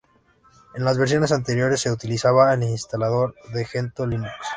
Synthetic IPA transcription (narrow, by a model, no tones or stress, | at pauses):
enlazβeɾs̬jo̞ne̞s̬ant̪e̞ɾjo̞ɾe̞sːe̞ut̪ilisaβaelinst̪alaðo̞ɾðe̞xent̪olimuks